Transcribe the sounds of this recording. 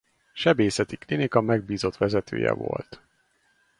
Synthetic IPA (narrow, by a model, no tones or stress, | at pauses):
ʃɛbeːsɛt̪iklinikɒmɛɡ̚biːzo̞t̪ʋɛzɛt̪ʰøːjɛ̰vo̰lt̪